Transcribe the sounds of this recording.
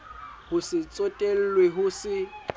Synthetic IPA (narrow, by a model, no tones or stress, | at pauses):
hʊsɪt͡sʼotʼel̩lweɦʊsɪ